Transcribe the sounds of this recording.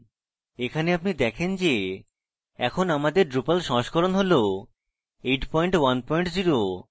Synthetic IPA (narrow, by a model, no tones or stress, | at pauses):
ekʰaneapnid̪ɛkʰend͡ʑe | ɛ̰kʰonamad̪eɾɖɾupalʃɔ̃ʃkʰɔɾonɦolo | eʈpɔiɳʈwanpɔiɳʈd͡ʑiɾo